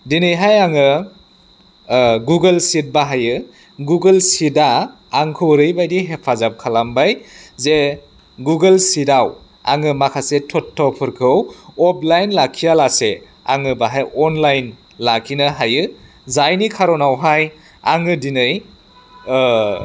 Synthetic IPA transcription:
dinɯjɦajaŋɯ | ɡuɡelsit̚baɦajɯ | ɡuɡɯlsidaː | ŋkʰɯwɾɯjbajdiɦepʰazap̚kʰalambajze | ɡuɡelsidaw | a̰ŋɯmakʰasetʰɔtʰːɔpʰɯɾkʰɯwɔp̚ʰlajnlakʰijalase | a̰ŋɯbaɦajɔnlajn | lakʰinɯɦajɯ | zajnikʰaɾɔnawɦaj | a̰ŋɯdinɯj

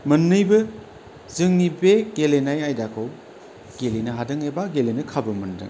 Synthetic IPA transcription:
mɐnːɯjbɯ | zɯŋnibeɡelenajajdakʰɯw | ɡ̥elenɐɦadɯŋebaɡelenɐkʰabɯmɐndɯ̰ŋ

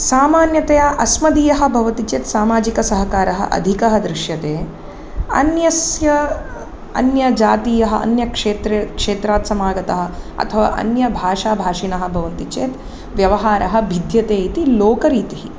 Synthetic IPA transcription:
saːmaːnjɐt̪ɐjaːʔɐsmɐd̪iːjɐɦɐ̆bʱɐʋɐt̪it͡ʃeːt̪saːmaːd͡ʒikɐsɐɦɐkaːɾɐɦɐ̰ʔɐ̰d̪ʱikɐɦɐd̪ɾɪʃjɐt̪eː | ɐ̰njɐsjɐ | ɐ̰njɐd͡ʒaːt̪iːjɐɦɐɐ̰njɐkʂeːt̪ɾekʂeːt̪ɾaːt̪sɐmaːɡɐt̪ɐɦɐ̆ɐ̰t̪ʰɐʋa̰ːʔɐ̰njɐbʱaːʂaːbʱaːʂinɐɦɐ̆bʱɐʋɐnt̪it͡ʃeːt̪ | ʋjɐʋɐɦaːɾɐɦɐbʱid̪ʱjɐt̪eːit̪iloːkɐɾiːt̪iɦi

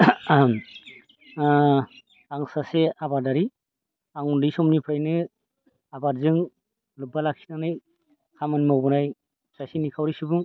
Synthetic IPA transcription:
aŋsaseabaɾdaɾi | aŋundisɔmnipʰɾajnɯ | abaɾzɯŋ | lɯbalak̚si̥naŋnɯj | kʰamɯnmawbɯnaj | sasinikʰawɾisɯbuŋ

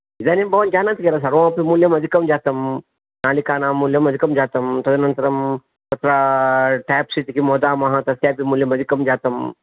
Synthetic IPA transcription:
id̪aːnimbɐʋɐnd͡ʒaːnɐt̪keɾɐs̬ɐɾʋõpimuljɐmɐd̪ikɐmd͡ʒaːt̪ɐm | naːlikaːnaːmːuljɐmɐd̪ikɐmd͡ʒaːt̪ɐmt̪ɐd̪ɐnɐnt̪ɐɾɐm | sɐt̪ɾaʈaːjpsit̪ikimoːd̪aːmɐɦɐ̃t̪ɐsjaːpimuːljɐmɐd̪ikɐmd͡ʒaːt̪ɐm

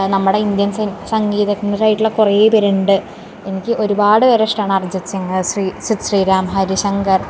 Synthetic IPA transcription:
nɐmːuɽe̞ind̪jɐnsɐsɐŋɡiːðɐkːɐnɐɾɐjiʈːilɐkureːpɐɾeɳɖɨ | e̞nikʲːɨʔo̞ɾubaːɽɨɐɾɐʂʈaːɳɨɐrd͡ʑɐt͡ɕːiŋsriːsit̪ɕriːɾaːmɦɐɾuɕɐŋɡɐr

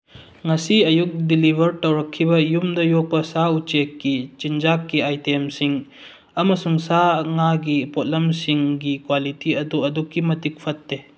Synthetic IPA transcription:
ŋɐsiɐjuk̚dilibʱɐɾtɐwɾɐkʰːibɐjumdɐjok̚pɐsaut͡ʃekːit͡ʃind͡ʒakːiajtemsiŋ | ɐmɐsuŋsaŋaɡipot̚lɐmsiŋɡikwalitiɐduɐdukːimɐtik̚pʰɐt̚ːe

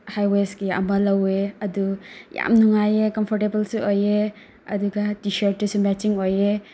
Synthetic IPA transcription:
hajweskiɐ̰mɐlɐweɐd̪uja̰mnuŋajekɔmpʰɔɾʈebɐlsuoje | ɐ̰d̪uɡatiʃəɾʈ̚ːusumɛt͡ʃiŋoje

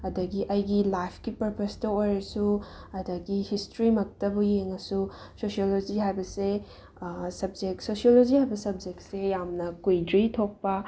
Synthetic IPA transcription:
ɐdɐɡiʔɐjɡilajpʰkipɐɾpɐstɐojɾɐsuɐdɐɡihistɾimɐk̚tɐbujeŋːɐsu | sosiolod͡ʒiɦajbɐse | sɐb̚d͡ʒek̚tsosiolod͡ʒihajbɐsɐb̚d͡ʒektsejamnɐkujdɾitʰok̚pɐ

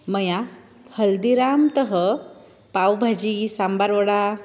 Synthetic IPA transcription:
məja | həld̪iɾamt̪əɦə | pawbʱad͡ʑisambaɾʋəɽa

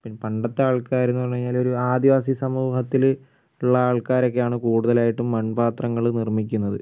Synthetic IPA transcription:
pinːpɐɳɖɐt̪ːaːɭkaːɾenːupɐrɐɲːaːlo̞ɾuaːd̪iʋaːs̬isɐmuːɦɐt̪ːil | uɭːɐaːɭkaːɾo̞kːe̞jaːɳɨkuːɽuðɐlaːjiʈːumːɐɳbaːt̪rɐŋːɐɭnirmikʲːunːɐðɨ

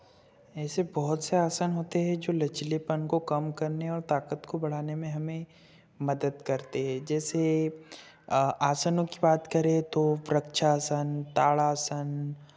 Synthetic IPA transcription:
ɛːsebɔɦʊt̪seaːsanɦoːt̪eɦɛ̃d͡ʒoːlɐt͡ʃlepənkokɐmkɐɾneɔːɾt̪aːkət̪kobɐɽ̤aːnemẽɦɐmẽ | mɐd̪əd̪kɐɾt̪eɦɛ̃d͡ʒɛːse | aːsənõkibaːt̪kɐɾẽt̪ofɾəkʃaːsənt̪aːɭaːsən

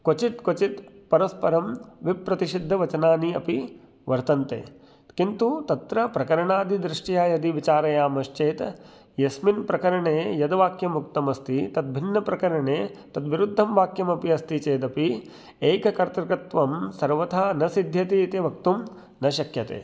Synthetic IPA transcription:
kot͡ʃit̪kot͡ʃit̪pɐɾɐspɐɾɐmʋipɾɐt̪iʂid̪ʱːɐʋɐt͡ʃɐnaːniɐpi | ʋɐɾt̪ɐnt̪ḛː | kint̪ut̪ɐt̪ɾɐpɾɐkɐɾɐɳaːd̪id̪ɾɪʂʈjaːjɐd̪iʋit͡ʃaːɾɐjaːmɐʃt͡ʃeːt̪ | jɐsminpɾɐkɐɾɐɳeːjɐd̪ɐʋaːkjɐmukt̪ɐmɐst̪it̪ɐd̪̚bʱinːɐpɾɐkɐɾɐɳeːt̪ɐd̪ʋiɾud̪ʱːɐmʋaːkjɐmɐpiɐst̪it͡ʃeːd̪ɐpi | eːkɐkɐɾt̪ɾɐkɾɐt̪ʋɐmsɐɾʋɐt̪ʰaːnɐsid̪ʱjɐt̪iːt̪iʋɐk̚t̪um | nɐʃɐkjɐt̪ḛː

